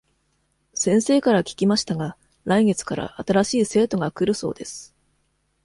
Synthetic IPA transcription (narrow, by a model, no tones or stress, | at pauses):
sẽ̞ɰ̃se̞ːkaɾakʲi̥kʲimaɕi̥t̪aɡa | ɾaiŋe̞t͡sɨ̥kaɾa̰ʔat̪aɾaɕiːse̞ːt̪o̞ɡakɯ̟ɾɯ̟so̞̰ːd̪e̞sɨ̥